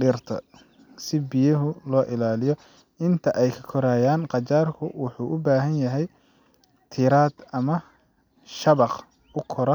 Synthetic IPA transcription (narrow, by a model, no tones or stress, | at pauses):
ɖɪrt̪ʰɐ̰ | sɪbijɐɦʊlɔːʔɪlaːlɪjɔ | ɪnt̪ʰɐʔɛjkʰɐ̥kʰɔɾaːjaːnqɑt͡ʃaːrkʰʊwʊħuːʔʊbaːɦɐnjɐɦɛj | t̪ʰɪɾaːd̪̥ɐmɐ | ʃɐβɑq | ʊkʰɔɾɐ